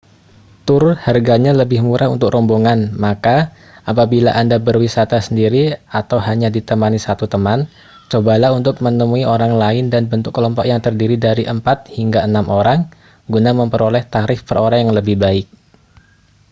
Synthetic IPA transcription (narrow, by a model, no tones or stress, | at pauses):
t̪uɾʊt̪harɡaɲaləbɪhmuɾʔaṵnt̪ʊkrɔmboŋanmaka | ʔap̬abila̰ʔandabərwisat̪asəndiɾiat̪awɦaɲadit̪əmanisat̪ut̪əman | t͡ʃobalaunt̪ʊk̚mənəmuiʔoɾaŋlaɪndanbənt̪ʊkːəlɔmpɔkjaŋt̪ərdiɾidaɾiʔəmpat̪̚hiŋɡaənamʔoɾaŋ | ɡunaməmpəɾolɛht̪aɾɪfpəroɾaŋjaŋləbɪhbaɪk̚